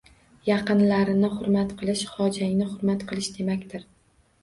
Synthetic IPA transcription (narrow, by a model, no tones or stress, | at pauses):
jɑqɨnlaɾɪnɪχʊɾmat̪qʰɨlˠɪʃhɒd͡ʒaŋnɪχʊɾmat̪qʰɨlˠɪʃd̪e̞makʲt̪ʰɪɾ